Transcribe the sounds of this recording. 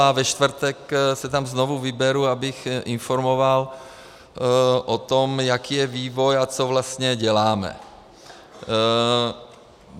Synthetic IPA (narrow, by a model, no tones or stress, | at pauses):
avɛʃt̪vr̩t̪ɛksɛt̪amznovuvɪbɛɾuabɪxʔɪnfoɾmo̞val | ʔot̪omjakiːjɛviːvo̞jat͡sovlast̪ɲɛɟɛlaːmɛ̰